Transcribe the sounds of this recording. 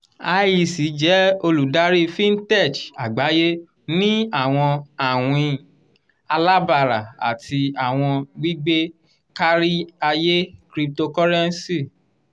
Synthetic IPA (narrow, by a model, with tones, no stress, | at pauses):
a˧ji˧˨si˨˦d͡ʒɛ˨˦o˧lu˨da˦ɾi˦fĩ˦n̩˦tɛ˦˨t͡ʃa˨ɡ͡ba˨˦je˦ | nĩ˦a˦˨w̃ɔ̃˧a˨w̃ĩ˧ | a˧la˦ba˦˨ɾa˨a̰˨tʰi˧a˨w̃ɔ̃˧ɡ͡bi˦ɡ͡be˦ | ka˦ɾi˦a˧je˦kɾi˧p̚to˧kɔ˦ɾɛ˦n̩˦si˦˨